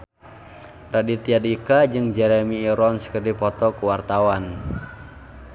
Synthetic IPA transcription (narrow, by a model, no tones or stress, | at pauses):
radit̪iadikad͡ʒɨŋd͡ʒɛɾɛmiːɾɔnskərdipɔt̪ɔkuwart̪awan